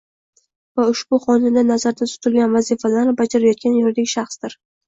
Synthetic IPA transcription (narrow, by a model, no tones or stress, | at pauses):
vaʊʃb̥ʊχɒnɪnd̪anazaɾd̪at̪ʰʊ̥t̪ʰɪlɡʲanvazifalaɾnɪbad͡ʒaɾajɒt̪̚kʲanjɒɾd̪ɪɡʲʃaχsd̪ɪɾ